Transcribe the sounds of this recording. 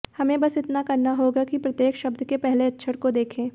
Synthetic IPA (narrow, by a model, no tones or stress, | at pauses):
hɐmẽbɐsɪt̪nakɐɾnaɦoːɡakipɾɐt̪jeːkʃɐbd̪ʱkepɛɦleɐtːʃʰəɾkod̪eːkʰẽː